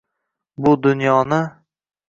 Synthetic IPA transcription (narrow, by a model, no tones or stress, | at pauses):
bʊd̪ʊnjɒnɪ